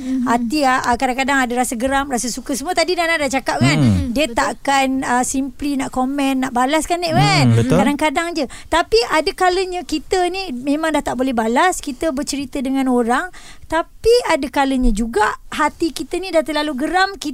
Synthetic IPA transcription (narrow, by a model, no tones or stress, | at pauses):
hat̪iaəkadaŋkadaŋadaɾasaɡəɾamrasasukəsəmuət̪adidanadat͡ʃakap̚ŋandiət̪aʔkanəsimplinaʔkomɛ̃nːaʔbalaskanːeʔwanəkaɾdaŋkadaŋd͡ʒət̪apiadəkaləɲə̃kit̪ənimẽmãŋdaht̪aʔbolɛhbalaskit̪əbərt͡ʃəɾit̪ədəŋãnoɾaŋt̪apiadəkaləɲə̃d͡ʒuɡaʔɦat̪ikit̪ənĩdaht̪əlaluɡəɾamki